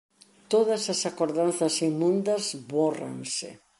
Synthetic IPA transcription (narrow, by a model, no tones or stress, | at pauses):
t̪oðɐsɐsakoɾðanθɐsimːũnd̪ɐzβora̰ŋsɪ̰